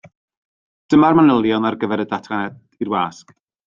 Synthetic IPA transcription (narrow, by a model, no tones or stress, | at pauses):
d̥əmarmanəlˠjɔnarɡəvɛɾədatʰanɛd | irwaːsk